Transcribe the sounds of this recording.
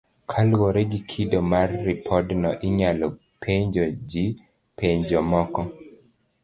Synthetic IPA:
kʰalwɔɾɛɡikʰidɔmarːipʰɔdnɔʔɪɲalɔ | pʰeɲd͡ʒɔd͡ʒi | peɲd͡ʒɔmɔkɔ

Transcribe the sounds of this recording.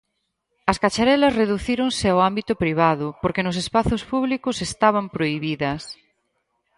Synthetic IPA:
ɐskat͡ʃaɾɛlɐsreðuθiɾoŋsɪawambit̪ʊpɾiβ̞aðʊpoɾkenʊs̬espaθʊspuβlikʊsest̪aβ̞ɐmpɾoiβiðɐs

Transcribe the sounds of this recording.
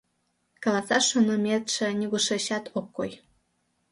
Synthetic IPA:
kɑlɑsɑʃonɤmʲet̪ʃĕnʲiɣuʃeɕɑt̪ʰokːoj

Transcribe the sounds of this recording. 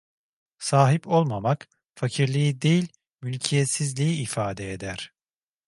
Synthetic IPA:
saːɦipo̞lˠmamak | facʰiɾlʲijid̪e̞jilʲ | mylʲcʰijɛt̪sizlʲijiːfaːd̪ɛed̪æɾ̥

